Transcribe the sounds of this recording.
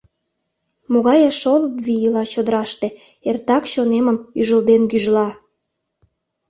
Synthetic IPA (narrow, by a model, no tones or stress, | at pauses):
moɣɑjeʃoləpβijəlɑt͡ɕod̪əɾɑʃt̪e | ert̪ɑkɕoneməmyʒəld̪enkyʒlɑ